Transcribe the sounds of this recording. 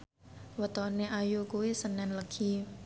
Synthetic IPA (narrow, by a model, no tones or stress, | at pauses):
wət̪ɔneʔajukuisənɛnləkʰi